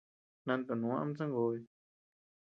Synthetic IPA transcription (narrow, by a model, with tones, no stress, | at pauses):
nã˧nt̪o˨nũ˨˦ã˦a˧˦m˦t͡sã˦ŋɡo˧˦e˧